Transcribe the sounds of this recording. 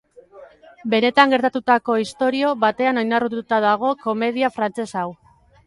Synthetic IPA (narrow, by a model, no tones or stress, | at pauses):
be̞ne̞t̪aŋɡe̞ɾt̪at̪ut̪ako̞ist̪o̞ɾio̞βat̪e̞ano̞jnarut̪ut̪aðaɣ̞o̞ko̞me̞ð̞iafɾant͡se̞saw